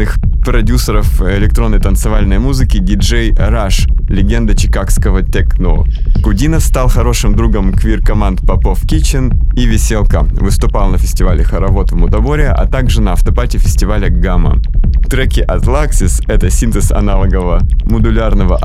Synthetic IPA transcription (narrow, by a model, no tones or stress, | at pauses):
ɨxpɾɐdʲusəɾəfɪlʲɪk̚t̪ɾo̞nːəjt̪ənt̪sɨvalʲnəjmuzɨkʲɪɡʲɪʐejɾaʂlʲɪɡʲend̪ət͡ɕɪkakskəvət̪ʲɛkno̰kʊdʲinəfst̪alˠxɐɾo̞ʂɨmd̪ɾuɡəmkvʲirkɐmant̪pɐpofkʲit͡ɕɪnivʲɪsʲelˠkəvɨst̪ʊpalˠnəfʲɪ̥sʲtʲɪvalʲɪxɐɾɐvot̪vmʊt̪ɐboɾʲɪəʔɐ̰t̪aɡʐɨnəɐft̪ɐpatʲɪfʲɪsʲtʲɪvalʲəɡamə̰t̪ɾɛkʲɪʔɐt̪lˠaksʲɪsɛt̪əsʲint̪ɨsɐ̰nalˠəɡəvəmʊd̪ʊlʲarnəvəʔ